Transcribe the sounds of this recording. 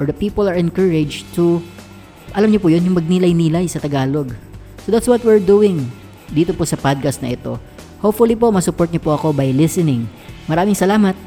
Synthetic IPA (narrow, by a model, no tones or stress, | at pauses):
ʔɔd̪ɐpiːpɐlɐɹɛnkəɹɛd͡ʒt̪u | ʔɐlamɲopʊjonjʊŋmɐɡ̚nilɐjniːlajsɐt̪ɐɡaːlo̞ɡ | sod̪at̪swɐt̪̚wɪɹd̪uːɪŋ | d̪iːt̪opʊsɐpad̪̚kast̪nɐ̰ʔɛt̪o̞ | hopfʊlipo̞ʔmɐsʊpoɹt̪̚ɲopoʔɐko̞bɐjlɪsɛnɪŋ | mɐɾaːmɪŋsɐlaːmɐt̪̚